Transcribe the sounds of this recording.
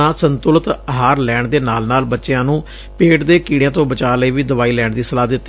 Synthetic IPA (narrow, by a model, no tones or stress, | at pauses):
ãːsənt̪ʊlət̪əɦaːɾlɛːɳd̪eːnaːlnaːlbətːʃejãːnũː | peːʈd̪eːkiːɽjãːt̪õːbət͡ʃaːləiːʋiːd̪əʋaːiːlɛːɳd̪iːsəlaːd̪ɪt̪ːi